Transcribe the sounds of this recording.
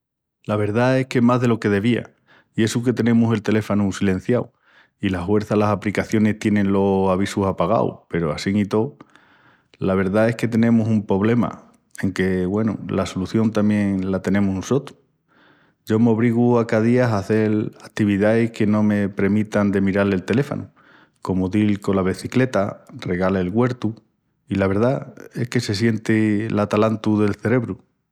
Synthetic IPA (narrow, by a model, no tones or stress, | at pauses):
laβe̞ɾðae̞hkemaɦðe̞lo̞ke̞ð̞e̞βia̰ | ie̞suk̬e̞t̪e̞nẽ̞muse̞lt̪e̞le̞fanusilẽ̞n̟θjaw | ilahwe̞ɾθalasaplikaθjo̞ne̞ht̪je̞nẽ̞nlo̞saβ̞isusapaɣ̞a̰w̰pe̞ɾoasiŋit̪o̞w | laβe̞ɾðae̞hke̞t̪e̞nẽmusumpɾo̞β̞le̞ma̰ | e̞ŋke̞ɣwe̞nṵlasoluθjo̞nt̪amjẽ̞ŋlat̪e̞nẽ̞musnuso̞t̪u̥ | ɟ͡ʝo̞mo̞β̞ɾiɣ̞uakaðiasaθe̞lakt̪iβ̞iðaehke̞nõ̞me̞pɾemĩt̪and̪e̞miɾalelt̪e̞le̞fo̰nu | ko̞moðilko̞laβ̞eθikle̞t̪are̞ɣaleelɣwe̞ɾt̪u | ilaβ̞e̞ɾðae̞hke̞se̞sje̞nt̪elat̪alant̪uðe̞lθe̞ɾe̞βɾu